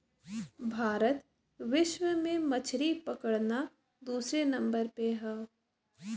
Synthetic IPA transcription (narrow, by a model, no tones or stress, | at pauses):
bʱaːɾət̪ | ʋɪʃwəmẽmɐt͡ʃʰɾipəkəɽna | d̪uːsɾenɐ̃mbəɾpeɦɛː